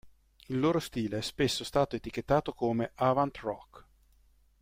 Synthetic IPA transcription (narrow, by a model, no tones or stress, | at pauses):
ilːoːɾost̪iːleɛspesːost̪aːt̪oet̪ik̟et̪ːaːt̪okoːmeʔavant̪rɔkː